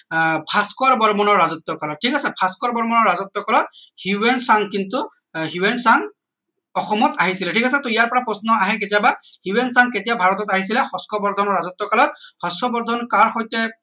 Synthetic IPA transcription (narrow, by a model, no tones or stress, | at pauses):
bʰʱaskaɹbɔɹmɔnɔɹːazɔt̪ːɔkalɔtʰːikasɛbʰʱaskɔɹbɔɹmɔnɔɹːazɔt̪ːɔkalɔt̚huwɛnsaŋkintu | ɦjuwɛnsaŋ | ɔxɔmɔtaɦisilɛʈʰikasɛt̪ʊijaɹpɔɹapɹɔsnɔaɦɛketijabahuwɛnsaŋketijabʱaɹɔtɔtaɦis̬ilɛxɔskɔbɔɹd̪ʱɔnɔɹazɔt̪ːɔkalɔt̪̚xɔsɔbɔɹd̪ʱɔnkaɹxɔjtɛ